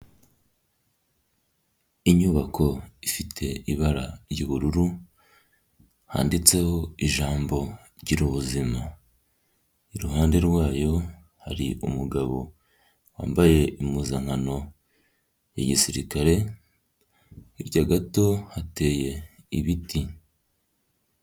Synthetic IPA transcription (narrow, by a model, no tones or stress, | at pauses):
iɲuβakʰo̞ifitʰe̞iβaɾa̰ɾɟiβuɾuɾu | ha̰ːndit͡se̞ho̞iʒaːmbo̞ | ɾɟiɾuβuzima | iɾuɦaːnde̞ɾɡwaːjo̞ | haɾḭʔumuɡaβo̞ | wa̰ːmbaje̞imuːzaŋhano̞ | ja̰ɟisiɾḭkaɾe̞ | hiɾɟaɡato̞hate̞ːje̞ | iβiti